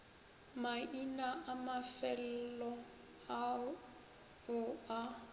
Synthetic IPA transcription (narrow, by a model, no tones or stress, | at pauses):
mainaʔamafɛl̩lɔ | a | ʊa